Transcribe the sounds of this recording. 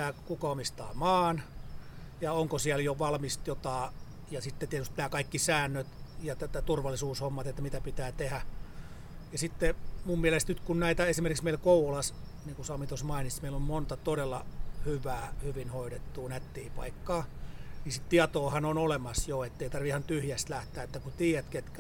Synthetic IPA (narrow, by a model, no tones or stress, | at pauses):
æːkukɑomist̪ɑ̰ːmɑːn | jɑoŋkosiæljoʋɑlmist̪jot̪ɑː | jɑsit̪ːet̪iæt̪yst̪næːkɑikːisæːnːøt̪jɑt̪æt̪ːæt̪urʋɑlisuːshomːɑt̪et̪ːæmit̪æpit̪æːt̪ehæ | jɑsit̪ːemummielest̪nyt̪kunnæit̪æesimerkiksmeilkouolɑs | niːŋkusɑmit̪osmɑinismeilommont̪ɑt̪odelːɑ̰hyʋæːhyʋinhoiɾet̪ːuːnæt̪ːiːpɑ̰ikːɑːnisit̪t̪iɑt̪oːhɑnonolemɑsjoet̪ːeit̪ɑrʋiihɑnt̪yhjæst̪læht̪æːet̪ːækut̪iːæt̪ket̪k